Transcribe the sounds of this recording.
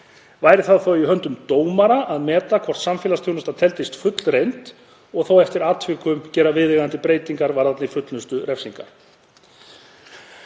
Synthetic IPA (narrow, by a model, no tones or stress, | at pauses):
vaːjɾɪθaðθowiɦœnt̪ʏmt̪oːwmaɾaʔaðmɛːt̪akʰvɔr̥t̪samfɛːlast̪ʰownʏst̪at̪ʰɛlt̪ɪst̪fʏt̪l̥rejnt̪ | ɔɣθowɛft̪ɪɾaːt̪ʰvɪkʏmcɛːɾavɪðɛɣant̪ɪpɾeːjt̪iŋkaɾvaɾat̪nɪfʏt̪lʏst̪ʏɾɛfsiŋka̰ɾ̥